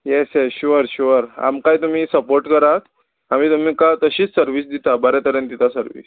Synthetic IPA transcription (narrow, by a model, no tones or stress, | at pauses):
jesjɛɕuʋəɾɕuʋəɾa̰mkajt̪um̤iːsəpoɾʈkəɾat̪ | am̤iːt̪um̤iːkat̪əɕiːt͡ssəɾʋiːsd̪it̪abəɾat̪əɾjənt̪it̪ʰasəɾʋḭs